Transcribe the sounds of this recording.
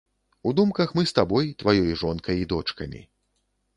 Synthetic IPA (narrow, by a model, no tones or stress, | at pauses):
ud̪umkɐxmɨst̪abɔjt̪vajɔjʐɔnkɐjid̪ɔt͡ʂkɐmʲḭ